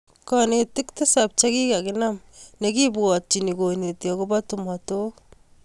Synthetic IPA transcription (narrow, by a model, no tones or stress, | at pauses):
kɔnetɪktɪsap̚t͡ʃakikakɪnam | nekibuɔt̚t͡ʃinikonetjɔkobatumato